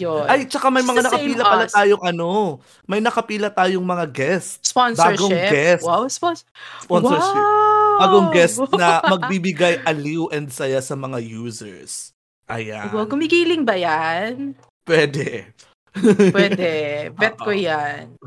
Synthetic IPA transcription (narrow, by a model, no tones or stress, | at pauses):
joʔajt͡ʃɐkamɐjmɐŋanɐkɐpiːlɐpɐlat̪aːjoŋʔɐno̞ | mɐjnɐkɐpiːlɐt̪aːjoŋmɐŋaɡɛst̪̚sponsbaːɹɡoŋɡɛswawspɔnssponɛɹɪbaːɡoŋɡɛstnɐmɐɡ̚bibɪɡajʔɐliwʔɛnd̪̚sɐjasɐmɐŋajuːsɛ̰ɹs | ʔɐ̰ja̰kʊmɪɡiːlɪŋbɐjan | pwɛːd̪ɛ | pwɛd̪ɛbɛt̪̚kojan